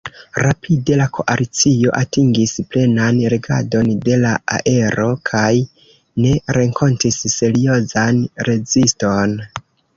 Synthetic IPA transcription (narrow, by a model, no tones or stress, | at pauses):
ɾapʰide̞lakʰo̞̰ʔalit͡sio̞ʔatiŋɡisple̞nanɾeɡa̰do̞nde̞laa̰ʔe̞ɾo̞kʰaj | ne̞ɾe̞ŋkʰo̞ntisːe̞ɾio̞zanɾe̞zisto̞n